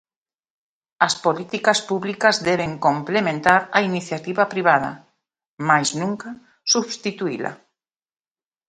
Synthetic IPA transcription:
aspolit̪ikaspuβlikazðeβ̞eŋkomplemẽnt̪aɾainiθjat̪iβapɾiβaða̰ | majznũŋka | suβst̪it̪uilʔa̰

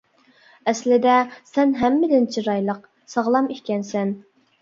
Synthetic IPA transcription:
ɛslɪd̪ɛsɛnɦæmːɪd̪ɪnt͡ʃʰiɾɑjlˠəq̚ | sɑʁlˠɑmikʲkʲɛnsɛn

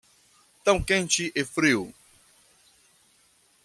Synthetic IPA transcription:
t̪ɐ̃w̃kẽnt͡ʃiʔefɾiw

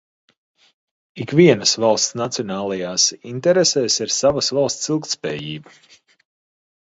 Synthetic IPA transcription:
ikviɛnəsvalˠst̪snat̪siɔnaːlˠajaːsint̪ɛɾesɛːsiɾsavasvalˠst̪silˠk̚t̪spɛ̰ːjiːba

